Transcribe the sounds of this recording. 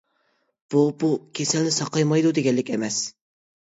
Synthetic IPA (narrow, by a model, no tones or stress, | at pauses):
b̥ubukʲʰesɛlnɪsɑqɑjmɑjd̪ud̪eɡʲɛlːɪkʲemɛs